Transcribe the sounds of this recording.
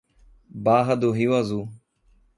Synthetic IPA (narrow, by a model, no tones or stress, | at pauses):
baːɦəd̪oːɦiːaːzuː